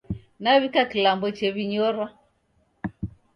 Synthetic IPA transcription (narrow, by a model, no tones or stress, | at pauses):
naβikakilambɔt͡ʃɛβiɲɔɾwa